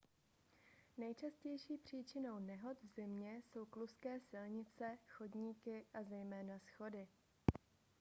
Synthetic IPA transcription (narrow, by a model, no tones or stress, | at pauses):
nɛjt͡ʃascɛjʃiːpr̝̥iːt͡ʃɪno̞wnɛɦo̞t̪vzɪmɲɛso̞wkluskɛːsɪlɲɪt͡sɛxo̞dɲiːkɪʔazɛjmɛːnasxo̞dɪ